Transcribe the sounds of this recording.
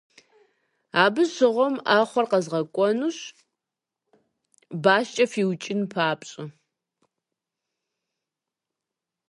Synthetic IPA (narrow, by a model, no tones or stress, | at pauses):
aːbɨɕɨʁʷɔmaːχʷɔrqɐzʁɐkʷʼɔnuɕ | baːʃt͡ʃʼɐfiːwt͡ʃʼɪnpʰaːpʼɕʼɪ